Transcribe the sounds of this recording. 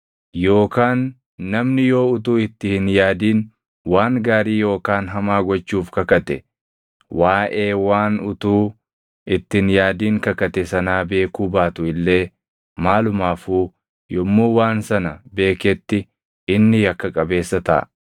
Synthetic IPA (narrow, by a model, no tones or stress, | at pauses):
jo̞ːkaːnː | ɐmnɪjo̞ːʊt̪̬uːɪt̪ːɪhɪnjaːd̪iːn | waːŋɡaːɾiːjo̞ːkaːnɦɐmaːɡɔt͡ʃːuːfkɐkɐt̪ɛ | waːʔe̞ːwaːnʊt̪uː | ɪt̪ːɪnjaːd̪iːŋkɐkɐt̪ɛsɐnaːbe̞ːkuːbaːt̪ʊɪlːe̞ː | maːlʊmaːfuː | jɔmːuːwaːnsɐnɐbe̞ːkɛt̪ːɪ | ɪnːɪjɐkːɐkʼɐbe̞ːsːɐt̪ɐ̰ʔː